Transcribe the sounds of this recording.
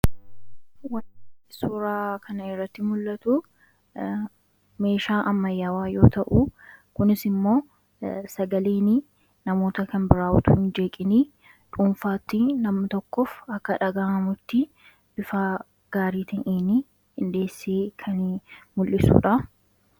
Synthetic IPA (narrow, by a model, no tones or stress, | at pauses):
wɐnɪsuːɾaːkʰɐnɐɪrːɐt̪ːɪmʊlːɐt̪ʊ | me̞ːʃaːʔɐmːɐjːaːwaːjo̞̰ːt̪ɐʔukʊnɪsɪmːo̞ː | sɐɡɐleːnɪ | nɐmo̞ːt̪ɐkɐnbɪɾaːʔʊ̰t̪ʊɪnd͡ʒe̞ːkʼɪniː | ᶑuːmfaːt̪ːɪnɐmɐt̪ɔkːɔfɐkːɐᶑɐɡaːʔɐmʊt̪ːɪ | b̥ɪfaː | ɡ̥aːɾiːt̪ɐʔiːnɪ | ɪnd̪e̞ːsːeːkʰɐnmʊlʔɪsṵːᶑɐ